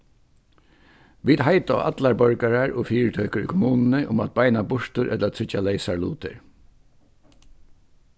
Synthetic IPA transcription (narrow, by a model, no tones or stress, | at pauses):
ʋiːd̪ɦaɪt̪aʔa̰t̪laɹbœɹkaɹaɹɔfiːɹt̪ʰœːkəɾʏ̰kʰɔmuːnnɪʔʊmat̪̚baɪnabʊɹ̥t̪ʊɾʔɛt̪lat̪ʰʏt͡ʃːaleɪsaɹlṵːt̪ɪ̰ɹ